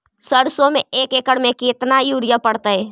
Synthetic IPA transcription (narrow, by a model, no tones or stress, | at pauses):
səɾsomeekekəɽmeket̪najuɾjəpəɽt̪əj